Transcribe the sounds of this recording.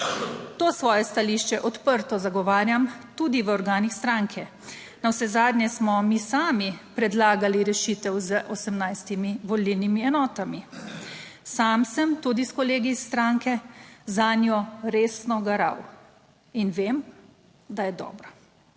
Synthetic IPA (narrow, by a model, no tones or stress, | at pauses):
t̪oːsʋɔːjɛst̪aliʃt͡ʃɛʔɔt̪pəɾt̪ɔzaɡɔʋaːɾjamt̪ud̪iʋəɔɾɡaːnixst̪ɾaŋkʰɛ | nawsɛzaːd̪nʲɲɛsmɔmiːsaːmipɾɛd̪laːɡaliɾɛʃiːt̪ɛwzəʔɔsəmnajst̪imiʋɔliwnimiɛnɔːt̪ami | saːmsəmt̪ud̪iskɔleːɡist̪ɾaŋkɛzaːnjɔɾeːsnɔɡaɾa̰w | inʋeːm | d̪ajɛd̪ɔ̰ːbɾa